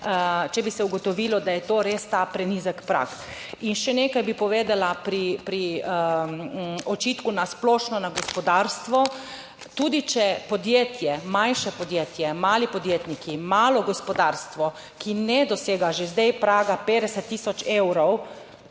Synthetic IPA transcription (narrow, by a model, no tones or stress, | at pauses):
t͡ʃɛbisɛuɡɔt̪ɔʋilɔd̪ajɛt̪oːɾeːst̪apɾɛniːzəkpɾa̰kinʃɛneːkajbipɔʋeːd̪alapɾipɾi | ɔt͡ʃit̪kunasplɔːʃnɔnaɡɔspɔd̪aːɾst̪ʋɔ | t̪ud̪it͡ʃɛpɔd̪jeːt̪jɛmãnʃɛpɔd̪jeːt̪jɛmaːlipɔd̪jeːt̪nikimaːlɔɡɔspɔd̪aːɾst̪ʋɔ | kinɛd̪ɔseːɡaʒezd̪ɛjpɾaːɡapeːd̪ɛsɛt̪ːiːsɔt͡ʃewɾɔw